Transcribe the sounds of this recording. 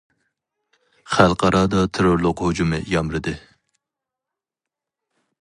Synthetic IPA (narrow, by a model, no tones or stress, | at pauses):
χælˠqʰɑɾɑːd̪ɑt̪ʰeɾoɾlˠʊqhod͡ʒumɨ̰jɑmɾɨd̪ɨ